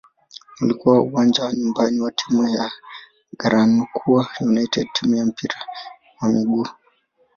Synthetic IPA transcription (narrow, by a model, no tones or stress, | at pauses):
ulikuwauwand͡ʒawaɲumbaniwatʰimuja | ɡaɾanukʰuwajunaitɛd̚tʰimujam̩piɾa | wamiɡuː